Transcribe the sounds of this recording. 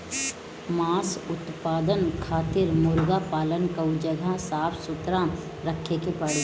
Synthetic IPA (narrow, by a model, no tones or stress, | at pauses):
maːsʊt̪paːd̪ənkʰaːt̪ɪɾmʊlɡapaːlənkəʊd͡ʒəɡʱasaːpʰsʊt̪ɾa | ɾəkʰekepɐɽe